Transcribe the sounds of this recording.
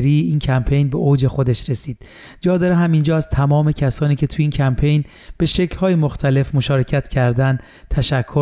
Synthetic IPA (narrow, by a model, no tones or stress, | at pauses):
ɾiːiːncʰæmpʰe̞jnbe̞ʔoːd͡ʒe̞xo̞d̪eʃɾesiːd̪̥ | d͡ʒɒːd̪ɒɾeɦæmind͡ʒɒːæz̥t̪ʰæmɒːme̞cʰæsɒːniːcʰe̞t̪ʰujiːncʰæmpʰe̞jn | b̥e̞ʃe̞clhɒːjemoxt̪ʰæle̞fmoʃɒːɾe̞cʰæt̪cʰæɾd̪ænd̪ | t̪ʰæʃækʰːo